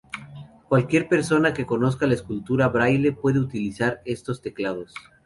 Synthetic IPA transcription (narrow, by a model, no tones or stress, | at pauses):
kwalkje̞ɾpe̞ɾso̞nake̞ko̞no̞s̬kalaeskult̪uɾaβɾajle̞pwe̞ðe̞ut̪ilisaɾe̞st̪o̞st̪e̞klað̞o̞s